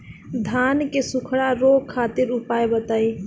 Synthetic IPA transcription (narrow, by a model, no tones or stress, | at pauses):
d̪ʱankesukʰɽaɾokʰːat̪iɾʊpajbət̪əj